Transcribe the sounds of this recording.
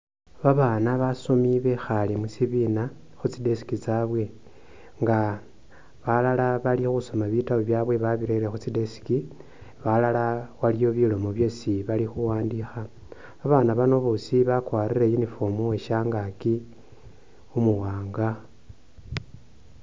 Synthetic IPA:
βaβaːnaβasomiβe̞xalimusiβina | xut͡side̞si̥kit͡saβwe̞ | ŋɡa | βalalaβalixuso̞maβitawoβjaːβwe̞βaβiɾeɾe̞xut͡sidesi̥ki | βalalawalijo̞βilo̞mo̞βjo̞siβalixuwaːndixa | βaβaːnaβano̞βosiβakwaːrirejinifomuweʃaŋɡaki | umuwaːŋɡa

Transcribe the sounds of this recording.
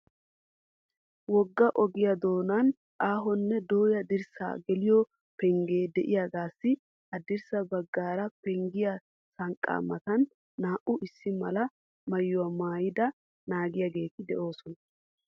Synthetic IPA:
wɔɡːɐʔɔɡɪjɐd̪o̞ːnan | ʔaːɦɔnːɛd̪o̞ːjɐd̪ɪɾsa̰ɡɛlɪjɔ | pɛŋɡeːd̪ɛʔɪjaːɡaːsːɪ | ɐd̪ɪɾsɐbɐɡːaːɾɐpɛŋɡɪjɐ | sɐŋkʼːa̰ːmɐt̪ɐnː | aːʔʊʔɪsːɪmɐlɐ | mɐjːʊwɐmaːjɪd̪ɐ | naːɡɪjaɡe̞ːt̪ɪd̪ɛʔo̞ːsɔnɐ

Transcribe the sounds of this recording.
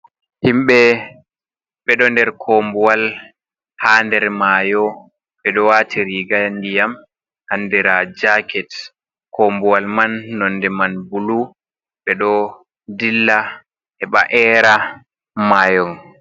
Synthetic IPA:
himɓɛ | ɓɛɗɔndɛɾkʰɔmbuwal | haːndɛɾmaːjɔ | ɓɛɗɔwatʰiɾiɡandijam | hanːdɛɾad͡ʒakɛt | kɔmbuwalmanːɔndɛmanbulu | ɓɛɗɔ | dilːa | ʔɛɓa̰ʔɛɾa | maːjɔn

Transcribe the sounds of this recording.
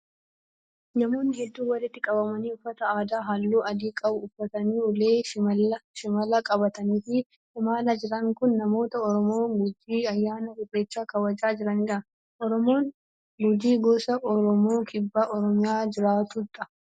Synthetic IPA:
nɐmo̞ːnːɪhɛd̪ːuːwɐlɪt̪ːɪkʼɐbɐmɐniːʊfːɐt̪ɐaːd̪aːɦɐlːuːʔɐd̪iːkʼɐbʊʊfːɐt̪ɐniːʊleːɐʃɪmɐlɐkʼɐbɐt̪ɐniːfɪ | ɪmaːlɐd͡ʒɪɾɐŋkʊnːɐmo̞ːt̪ɐɔɾɔmoːɡʊd͡ʒːiːɐjːaːnɐɡʊrːeːt͡ʃːaːkɐwɐd͡ʒaːd͡ʒɪɾɐniɾɐ | ʔɔɾɔmoːn | ɡʊd͡ʒiːɡoːsɐʔɔɾɔmoːkʼɪbːaːʔɔɾɔmɪjaːd͡ʒɪɾaːt̪ut̪ʼːɐ

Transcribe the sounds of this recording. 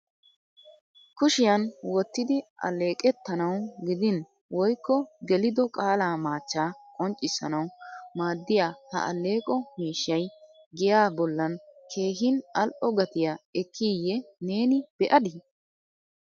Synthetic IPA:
kʊʃɪjɐnwɔt̪ːɪd̪ɪʔɐ̰lːe̞ːkʼɛt̪ːɐnɐwɡɪd̪ɪn | wɔjkːɔɡɛlɪd̪ɔkʼaːlaːmaːt͡ʃːaːkʼɔnt͡ʃʼːɪsɐnɐwmaːd̪ːɪjaːhɐ̰ʔɐ̰lːe̞ːkʼɔmiːʃːɐj | ɡɪjaːbɔlːɐnkʰe̞ːɦɪnɐlʔɔɡɐt̪ɪjaːɛkʰːijːɛneːnɪb̥ɛʔɐd̪ɪ

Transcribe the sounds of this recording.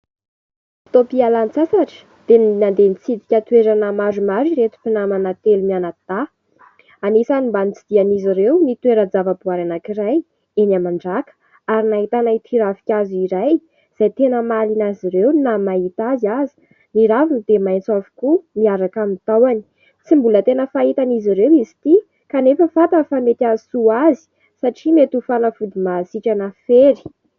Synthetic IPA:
t̪opialant͡sasaʈ͡ʂə̥ | d̪̥ennand̪enit͡sid̪ikʲət̪weɾanəmaɾumaɾiɾet̪u̥pinamanat̪elumianat̪a | anesanimbanit͡sid̪̥ianiziɾewnit̪weɾəd͡zavəbuaɾanakiraj | enamaɳɖ͡ʐakə̥ | aɾinaɦit̪anait̪ʰiɾavikʲaziɾaj | z̥ajt̪enəmalinaziɾewnamaɦit̪azazi̥ | niɾavinid̪emajnt͡savu̥kumiaɾakamint̪awani̥ | t͡simbulət̪enəfait̪aniziɾewizi̥t̪i | kanefəfat̪əfamet̪ʲasuazi̥ | saʈ͡ʂimet̪ufanəfud̪imasikanəfeɾi̥

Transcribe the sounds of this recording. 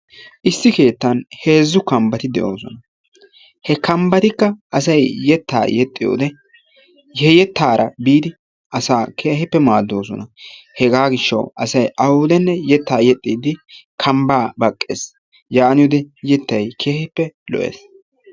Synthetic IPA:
ʔɪsːɪke̞ːt̪ːɐnhe̞ːzːʊkɐmbɐt̪ɪd̪ɛʔo̞ːsɔ̰nɐ | hɛkɐmbɐt̪ɪkːɐʔɐs̬ɐjjɛt̪ːa̰ːjɛt̪ʼːɪjo̰ːd̪ɛ | hɛjɛt̪ːaːɾʔɐbiːd̪ɪ | ʔɐsaːkʰeːhɛpːɛmaːd̪ːo̞ːsɔ̰nɐhɛɡaːɡɪʃːɐ̰wɐsɐjʔɐwʊd̪ɛnːɛjɛt̪ːaːjɛt̪ʼːiːd̪ɪkʰɐmbaːbɐkʼːḛːs | jaːnɪjʊd̪ɛjɛt̪ːɐjkʰeːhɪpːɛlɔ̰ʔḛːs

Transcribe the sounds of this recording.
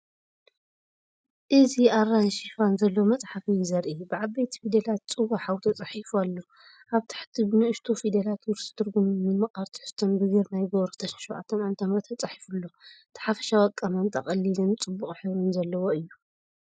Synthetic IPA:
ʔɨziarːanʃifanzɐlːowmɐt͡sʼħafizɐɾʔibɨʕaβbejt̪ʰi̥fid̪elat̪̚t͡sʼɨwaħawt̪ʰɐt͡sʼɐħifualːo̞ | ʔaβt̪ʰḁħt̪ʰibɨnɨʔɨʃt̪ʰofid̪ɐlat̪juɾsɨ̥t̪ʰɨɾɡumɨmɨmɐxʼaɾt̪ʰɨ̥ħɨst̪ʰonbɨɡɨɾnajɡoβɾt̪ʰɐʃʃowʕa̰t̪ʰːɐnʕant̪ʰɐmɾɐt̪ʰːɐt͡sʼaħi̥fulːo̞t̪ʰħafɐ̥ʃawɐkʼːɐmant̪ʰʼɐχʼɐlːilɨnt͡sʼɨbːuχʼħɨβɾɨnzɐlːɐwo̞ɨjːu

